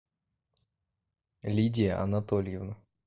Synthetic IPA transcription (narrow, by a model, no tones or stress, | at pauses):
lʲidʲɪjəʔɐ̰nat̪olʲɪjɪvnə